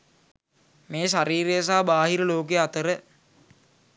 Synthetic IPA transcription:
meːʃaɾiːɾejəs̬aːbaːɦiɾəloːk̬eat̪əɾə

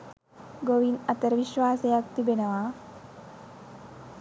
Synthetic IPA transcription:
ɡoʋinɐt̪ɐɾʋiʃʋaːsɐjak̚t̪ibenɐʋaː

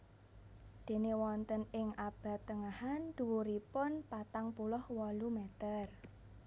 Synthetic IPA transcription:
d̪̥e̤newɔnt̪ənɪŋʔab̥ä̤t̪ːəŋahand̪̥uwuɾipʊnpat̪aŋpulʊhwɔlumet̪ər

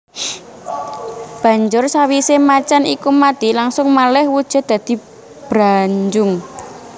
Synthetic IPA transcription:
b̥ä̤ɲd͡ʒʊrsawisemat͡ʃanḭkumad̪̥i̤laŋsʊŋmalɛhwud̥ʒ̥a̤d̪̥ä̤d̪̥i̤ | b̥ɾaɲd͡ʒʊŋ

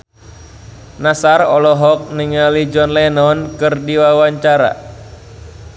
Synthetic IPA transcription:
nasarɔlɔɦɔk̚niŋalid͡ʒɔnlɛnɔnkɨrdiwawaɲt͡ʃaɾa̰

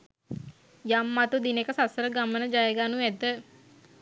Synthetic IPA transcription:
jamːat̪ud̪inekəsasəɾəɡamənəd͡ʒajəɡaːnuæd̪ə

